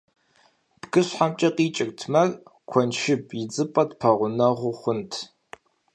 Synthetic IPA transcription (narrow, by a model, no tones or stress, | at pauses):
b̥ɡɨɕħamt͡ʃʼɐqʼiːt͡ʃʼɪk̚tʰmɐrkʷʰɔnʃɪbʰjɪd͡zɨpʼɐtpʰɐʁʷʊnɐʁʷʊχʷʊntʰ